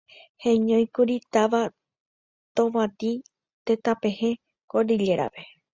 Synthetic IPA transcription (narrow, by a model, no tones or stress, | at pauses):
hẽɲõjkuɾit̪aʋa | t̪oʋat̪i | t̪et̪apẽ̞hẽ̞ | koɾɨʎe̞ɾa̰ʋe̞